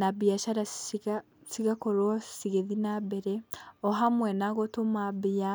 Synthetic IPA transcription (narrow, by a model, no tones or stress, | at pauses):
nabiaʃaɾa | siɣakoɾwɔsiɣeðinaβɛɾɛɔɦamwɛnaɣotomaβia